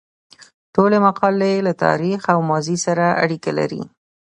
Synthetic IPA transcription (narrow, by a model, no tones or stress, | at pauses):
ʈolemaqɑlelat̪ɑ̰ɾixawmɑzisaɾaʔa̰ɽikala̰ɾḭ